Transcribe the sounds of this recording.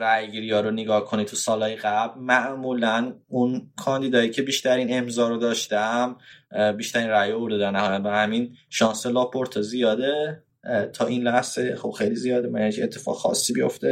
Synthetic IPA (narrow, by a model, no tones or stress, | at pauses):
ɾæjɡiːɾiɒːɾoneɡɒːhkʰo̞nit̪ʰusɒːlhɒːjeɣæblmæʔmuːlænunkʰɒːnd̪iːd̪ɒːjiːcʰe̞biːʃt̪æɾiːne̞mzɒːɾod̪ɒːʃt̪æmbiːʃt̪æɾiːnræjeuɾd̪ed̪æɾnæhɒːjæt̪bæhæminʃɒːnselɒːpʰoɾt̪ʰezijɒːd̪e | t̪ʰɒːʔinlæhzexob̥xejlizijɒːd̪emææncʰiet̪ʰːe̥fɒ̰ɣxɒ̰sːibijo̞̰ft̪e